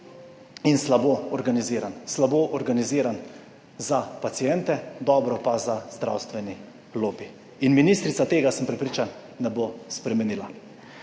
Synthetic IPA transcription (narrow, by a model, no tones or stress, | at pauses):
inslaboɔɾɡaniziːɾanslaboːʔɔɾɡaniziːɾan | zapat̪sijɛnt̪ɛd̪ɔːbɾɔpazazd̪ɾa̰wst̪ʋɛni | loːbi | inminist̪ɾit̪sat̪eːɡasəmpɾɛpɾiːt͡ʃanː | ɛbospɾɛmɛniːla